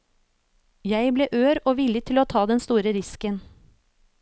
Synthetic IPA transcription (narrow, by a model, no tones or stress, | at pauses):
jæɪbleːʔøːɾoːʋɪlət̪ʰɪloːt̪ʰɑːd̪ɛnst̪uːɾəɾɪskən